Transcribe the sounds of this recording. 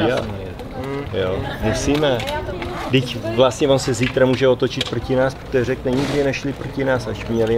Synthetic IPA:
a | jomusiːmɛ | dɪcvlast̪ɲɛvo̞nsɛziːt̪ɾamuːʒɛot̪ot͡ʃɪt̪̚pɾrocɪnaːspɾot̪ojɛɾɛknɛɲɪɡdɪnɛʃlɪpɾocɪnaːsaʃmɲɛlɪ

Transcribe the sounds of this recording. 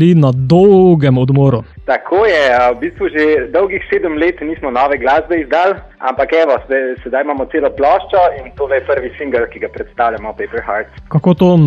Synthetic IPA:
linad̪ɔwɡɛmɔd̪moːɾu | t̪akʰoːjɛəbist̪ʋuʒed̪ɔwɡixseːd̪əmleːt̪niːsmɔnɔːʋɛɡlaːzbɛizd̪aːl | a̰mpakɛːʋɔsɛsɛd̪ajmaːmɔt̪seːlɔplɔːʃt͡ʃɔint̪oːlɛjpəɾʋisiŋɡəlkiɡapɾɛt̪st̪awlʎamɔpɛpɛɾxaɾt̪kakoːt̪oːn

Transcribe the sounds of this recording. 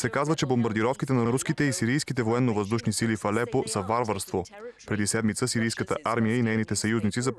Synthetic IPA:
sɛkazvət͡ʃɛbombɐɾd̪iɾɔfkit̪ɛnɐɾuskit̪ɛisiɾijskit̪ɛvoɛnːovəzd̪uʃnisilifɐlɛposəvaɾvəɾst̪vopɾɛd̪isɛd̪mit̪səsiɾijskət̪ə̰ʔaɾmijəinɛjnit̪ɛsɐjuznit̪sizɐ

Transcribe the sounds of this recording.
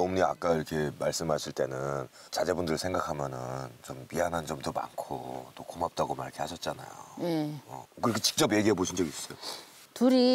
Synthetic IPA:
omɲia̰k͈aiɾʌkʰe̞maɭs͈ɯmɦaɕʰiɭt͈e̞nɯn | t͡ɕad͡ʑe̞bundɯɾɯɭsʰe̞ŋɡakʰamjʌnɯnt͡ɕompiɦanɦand͡ʑʌmtoma̰nkʰo̰t͈okʰomap̚t͈aɡoma̰ɭkʰehaɕʰʌt̚t͡ɕ͈ana̰jo̰eʌ̰kɯɾikʰet͡ɕi̥k̚t͡ɕ͈ʌb̬je̞ɡiɦeboɕʰind͡ʑʌɡiis͈ʌjo | tuɾi

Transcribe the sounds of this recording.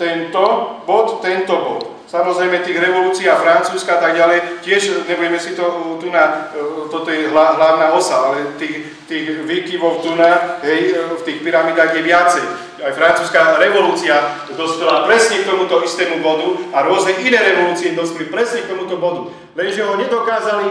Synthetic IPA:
t̪ɛnt̪ɔbɔt̪ːɛnt̪ɔbɔt̪ | samɔzɾɛjmɛt̪iːɣɾɛʋɔluːt͡siːafɾant͡suːskaat̪aɡɟalɛjcɪɛʃɲɛbuɛmɛsit̪ɔt̪unat̪ɔt̪ɔjɛɦlaɦlaʊnaɔsaalɛt̪iːx | t̪iːɣʋiːkiʋɔʊt̪unaɦɛjft̪iːxpiɾamiːd̪aːɣjɛʋɪat͡sɛj | ajfɾant͡suːskaɾɛʋɔluːt͡sia | d̪ɔspɛlapɾɛsɲɛk̚t̪ɔmut̪ɔist̪ɛːmubɔd̪uaɾʊɔznɛʔinɛːɾɛʋɔluːt͡siɛd̪ɔspɛlipɾɛsɲɛk̚t̪ɔmut̪ɔbɔd̪u | ʋɛnʒɛɦɔɲɛd̪ɔkaːzali

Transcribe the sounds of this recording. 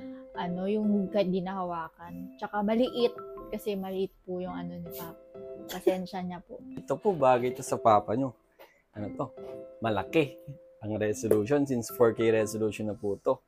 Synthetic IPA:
ʔɐno̞jʊŋkɐd̪inɐhɐwaːkɐnt͡ʃɐkamɐlɪʔɪt̪̚kɐsɛmɐlɪʔɪt̪̚pʊjʊŋʔɐno̞nɪbapɐsɛnʃɐɲɐpo̰ʔʔɪt̪opobaːɡɐjt̪osɐpaːpɐɲo̞ | ʔɐnot̪o̞mɐlɐkɛ | ʔɐŋɾɛsoluːʃo̞nsinsfoɹkejɾɛsoluːʃonːɐpuːt̪o̞

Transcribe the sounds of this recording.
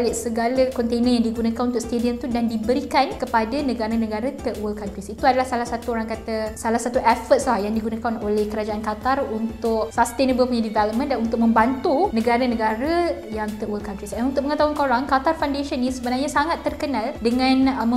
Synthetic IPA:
lɪʔsəɡalakɔnt̪enə̃njaŋdiɡunakanunt̪ʊk̚st̪ediəmt̪udandibəɾikankəpadanə̃ɡaɾanə̃ɡaɾat̪əʔwəlkant̪ɾisit̪uadalahsalahsat̪uoɾaŋkat̪asalahsat̪uʔɛfət̪̚slahjaŋdiɡunãkanolɛhkəɾad͡ʒaʔankat̪arunt̪ʊksast̪enəbəlpuɲadivɛləp̚mə̃ndanunt̪ʊk̚mə̃mbant̪unə̃ɡaɾanə̃ɡaɾajaŋt̪əʔwəlkant̪ɾisdanunt̪ʊk̚məŋət̪aɦunkoɾaŋkat̪arfawndeʃənːĩsəbənarɲãsaŋat̪ːərkənãldəŋãnmə

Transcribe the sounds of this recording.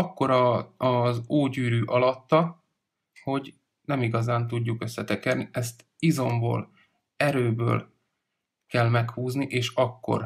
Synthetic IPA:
ɒkːo̞ɾɒzoːɟyːɾyːʔɒlɒt̪ːɒ | ho̞ɟ | nɛmiɡɒzaːnt̪̬uɟːukø̞sːɛt̪ɛkɛrniʔɛst̪ | izo̞mbo̰ːl | ɛɾøːbø̰ːl | kɛlmɛkhuːzniʔeːʃɒkːo̞̰r

